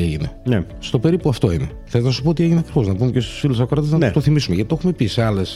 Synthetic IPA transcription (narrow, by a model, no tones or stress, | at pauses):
eʝinene | st̪o̞pe̞ɾipuɐft̪o̞inexθeleznɐsu̥pot̪ieʝineɐkɾixo̞znɐpumecest̪u̥sfilusɐkoɾɐt̪eznɐtst̪oθimisumeʝɐt̪it̪o̞xume̞piseɐles